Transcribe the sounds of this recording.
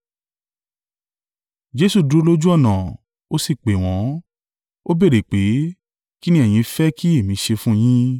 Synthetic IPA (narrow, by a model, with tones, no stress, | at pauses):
d͡ʒe˨˧˦su˧˨du˨˦lo˦d͡ʒu˦ɔ˦˨nã˨ | o˦si˦˨k͡pe˨w̃ɔ̃˨˦ | o˦be˦˨ɾe˨k͡pe˨˦ | ki˦nĩ˦ɛ˦˨j̃ĩ˧fɛ˦ki˦e˦˨mĩ˨˧˦ʃe˧fũ˦j̃ĩ˦